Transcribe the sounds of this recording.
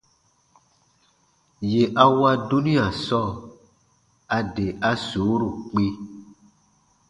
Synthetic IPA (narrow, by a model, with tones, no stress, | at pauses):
je˨ʔa˦wa˦du˦nĩ˦a˨sɔ˦˨ | a˨de˨ʔa˦so˨˦ɾu˨k͡pi˦